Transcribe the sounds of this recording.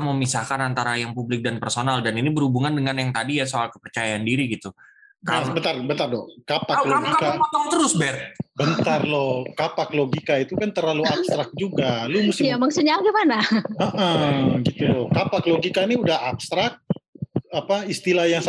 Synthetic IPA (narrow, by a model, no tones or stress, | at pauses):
məmisakanant̪aɾajaŋpublɪk̚danpərsonaldaninibərhubuŋandəŋanjaŋt̪adijasoalkə̥pərt͡ʃajaandiɾiɡit̪u | kaabənt̪arbənt̪ardɔ̰kapakloɡikaaɔŋt̪əɾʊsbɛrt̪̚bənt̪arlɔhkapakloɡikait̪ukant̪ərlaluabst̪ɾak̚d͡ʒuɡalumuɪjamaŋsuɲaɡimanaəʔəɡit̪ulɔhkapakloɡikaniudahapst̪ɾak̪̚ | apaist̪ilahjaŋs